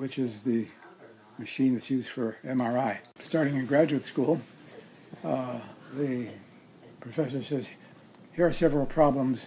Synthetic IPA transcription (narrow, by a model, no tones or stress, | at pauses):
wɨt͡ʃɪzðɨ | mɨʃĩnðɨtsjʉz̥fə˞ɛ̃mɑɹaɪstɑɹɾɪ̃ŋɨɡɹæd͡ʒʉɨtskulˠ | ðɨ | pʰɹ̥ɨfɛsə˞sɛz̥ | hiɹə˞sɛvɹl̩ˠpʰɹ̥ɑblə̃mz̥